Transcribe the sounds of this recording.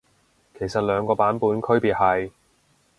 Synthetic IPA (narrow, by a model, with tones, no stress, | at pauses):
kʰe˨˩jsɐ˨t̚lœː˨˧ŋkɔː˧paː˨˥npuː˨˥nkʰɵ˥ɥpiː˨t̚ɦɐ˨j